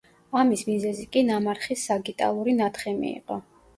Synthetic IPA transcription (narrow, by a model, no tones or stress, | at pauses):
amismizɛzikʼinamaɾχisːaɡit̪ʼa̰lˠuɾinat̪ʰχɛmḭːqʼɔ